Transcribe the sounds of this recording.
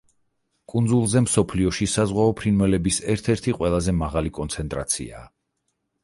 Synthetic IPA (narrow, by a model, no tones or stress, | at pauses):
kʼund̪zulˠzɛmsɔpʰliɔʃisazʁwaɔpʰɾinwɛlɛbisɛɾt̪ʰɛɾt̪ʰiqʼwɛlˠazɛmaʁalikʼɔnt̪sʰɛnt̪ʼɾa̰t̪sʰḭa̰ː